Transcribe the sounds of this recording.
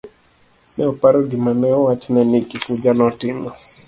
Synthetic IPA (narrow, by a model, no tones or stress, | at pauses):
nɛɔpaɾɔɡimamɛɔwat͡ʃnɛnikikud͡ʒanɔtɪmɔ